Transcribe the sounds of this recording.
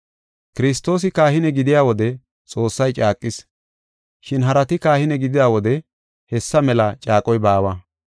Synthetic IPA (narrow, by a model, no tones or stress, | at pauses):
kɪɾɪs̬t̪ːo̞ːs̬ɪkaːhɪnɛɡɪd̪ɪjaːwɔd̪ɛ | t͡sʼo̞ːsːɐjt͡ʃʼaːkʼːɪs | ʃɪnɦɐɾɐt̪ɪkaːhɪnɛɡɪd̪ɪd̪aːwɔd̪ɛ | hɛsːɐmɛlɐt͡ʃʼaːkʼɔjbaːwɐ